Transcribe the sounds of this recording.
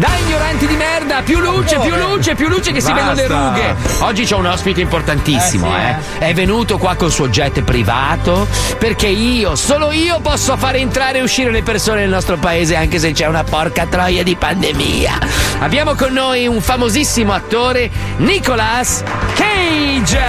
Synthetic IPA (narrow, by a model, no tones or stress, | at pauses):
d̪aiɲːoɾant̪id̪imɛrd̪apjulːuːt͡ʃepjulːuːt͡ʃepjulːuːt͡ʃekesiɛnɡonleɾuːɡeɔd͡ʒːit͡ʃɛunɔspit̪eimport̪ant̪isːḭmo̰ɛ̰ | ɛvːenuːt̪okwakːonsuod͡ʒɛt̪ːpɾivaːt̪operkeiːosoːloiːopɔsːofaːɾeent̪ɾaːɾeːuʃːiːɾelepersoːnenelnɔst̪ɾopaeːzeaŋkes̬et͡ʃɛunapɔrkat̪ɾɔjad̪ipand̪emḭːa̰a̰bːjaːmokonːoːjuɱfamozisːimoat̪ːoːɾe | nikolas | kejd͡ʒ